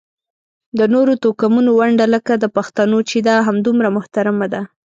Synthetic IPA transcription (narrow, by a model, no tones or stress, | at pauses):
d̪ənoɾot̪okamunowaɳɖaləkad̪əpaxt̪anot͡ʃed̪ɑɦamd̪umɾamʊht̪aɾamad̪a